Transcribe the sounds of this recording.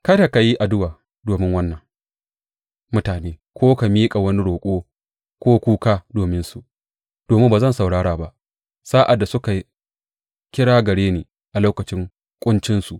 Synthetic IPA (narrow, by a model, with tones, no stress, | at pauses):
kɐ˦da˨ka˨ji˦ʔa˨dʊ˦waː˨ | doː˨mɪ˦ŋwɐ˦nːɐ˨ŋ | mʊ˦taː˨neː˦kʷoː˦ka˨miː˦kʼa˨wɐ˦ni˦ɽoː˨kʷʼoː˦ | kʷoː˦kʷuː˦kaː˦doː˨mɪ˦nsu˨ʔ | d̥oː˨mɪ˦mbaː˨zɐ˦˨nsa˨wɽaː˦ɽaː˨ba˦ʔ | saː˦ʔa˨dːa˨sʊ˦ka˨ | kʲɪ˦ɽaː˦ɡɐ˨ɽeː˦neː˨ | ʔa˨loː˦kɐ˨t͡ʃɪ˦ŋ | kʷʼʊ˦nt͡ʃɪ˦nsu˨ʔ